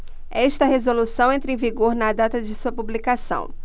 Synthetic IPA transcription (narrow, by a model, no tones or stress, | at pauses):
ɛʃt̪ɐɦezolusɐ̃w̃ẽnt̪ɾẽviɡoɾnɐd̪at̪ɐd͡ʒɪsuɐpublikasɐ̰̃w̃